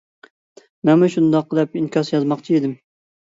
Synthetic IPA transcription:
mɛmɛʃund̪ɑqːəlˠɛpinkʲɑsjɑzmɑqt͡ʃʰied̪ɪm

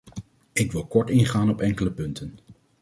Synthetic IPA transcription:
ɪkʋɪlˠkɔɹtɪnχaːnɔpɛŋkələpɵntən

